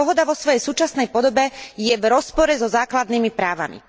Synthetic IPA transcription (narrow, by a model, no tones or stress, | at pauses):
ɔɦɔd̪aʋɔsʋɔjɛjsuːt͡ʃasnɛjpɔd̪ɔbɛjɛvɾɔspɔɾɛzɔzaːklad̪niːmipɾaːʋa̰mḭ